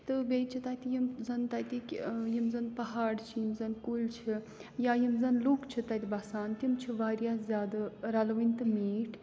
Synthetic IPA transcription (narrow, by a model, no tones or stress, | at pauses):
t̪ɨɡɐjt͡ʃʰit̪ɐt̪ijimzɐnt̪ɐt̪ikʲjimzɐnpɐɦaːɽt͡ʃʰijimzɐnkult͡ʃʰi | jaːjimzɐnluːkt͡ʃʰit̪ɐt̪ʲibɐsaːnt̪imt͡ʃʰiʋaːɾjaːzʲjaːd̪ɐɾɐlɐʋint̪ɨmiːʈʰ